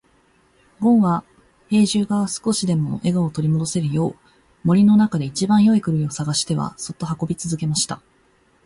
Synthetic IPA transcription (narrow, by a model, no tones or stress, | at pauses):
ɡõ̞ɰ̃βa | he̞ːʑɨːɡasɨ̥ko̞ɕid̪e̞mo̞ʔe̞ɡaot̪oɾʲimo̞d̪o̞se̞ɾɯ̟jo̞ː | mo̞ɾʲino̞nakad̪e̞it͡ɕibãɰ̃jo̞ikɯ̟ɾɯ̟iosaɡaɕi̥t̪e̞βa̰so̞t̪ːo̞ɦako̞bʲit͡sɨzɨke̞maɕi̥t̪a